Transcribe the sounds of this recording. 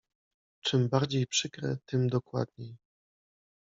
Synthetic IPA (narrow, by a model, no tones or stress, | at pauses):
t͡ʂɘmbaɾd͡ʑejpʂɘkɾɛ̰t̪ɘmd̪ɔkwa̰d̪̚ɲej